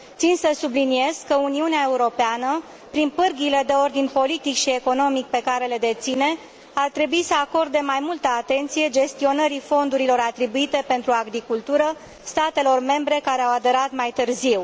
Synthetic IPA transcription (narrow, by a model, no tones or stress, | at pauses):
t̪sinsəsublinie̞z̥kəuniuneaeuɾo̞peanə | pɾinpɨrɡile̞d̪e̞o̞rd̪inʲpo̞lit̪ikʃie̞ko̞no̞mik̚pe̞kaɾe̞le̞d̪e̞t̪sine̞ | art̪ɾe̞buisəako̞rd̪e̞majmult̪əat̪e̞nt̪sije̞d͡ʒe̞st̪io̞nəɾifo̞nd̪uɾilo̞ɾat̪ɾibuit̪e̞pe̞nt̪ɾuaɡɾikult̪uɾə | st̪at̪e̞lo̞rme̞mbɾe̞kaɾe̞awad̪e̞ɾat̪majt̪ɨrziw